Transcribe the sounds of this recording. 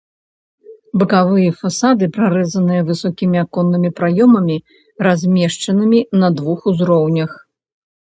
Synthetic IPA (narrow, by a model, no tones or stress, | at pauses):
bɨkavɨjɐfasad̪ɨpɾaɾɛzɐnɨjɐvɨsɔkʲimʲiakɔnːɨmʲipɾajɔmɐmʲi | razʲmʲɛʂt͡ʂɐnɨmʲinɐd̪vuxuzɾɔwnʲɐx